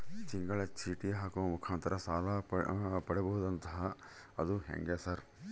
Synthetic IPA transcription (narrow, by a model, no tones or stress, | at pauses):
t͡ʃɪŋɡɐɭet͡ʃʰiːʈiɦaːkoːmʊkʰaːnt̪ɾʔɐsaːlapɐɽibɐɦud̪ɐnt̪ɐɦɐ | ɐd̪uɦḛŋɡeːsɐɾ